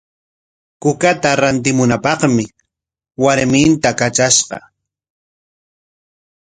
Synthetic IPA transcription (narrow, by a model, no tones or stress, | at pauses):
kʊkat̪aɾant̪̬ɪmʊnapɑχmɪ | waɾmɪnt̪akat͡ʃaʃɢɑ̰